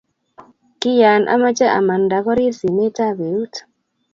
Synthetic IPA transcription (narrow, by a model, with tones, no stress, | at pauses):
kɪ˦ja˨nʔa̰˦ma˦t͡ʃa˦ʔa̰˨ma˨nda˨kɔ˦ɾi˦si˨ne˦ta˦βe˨u˦t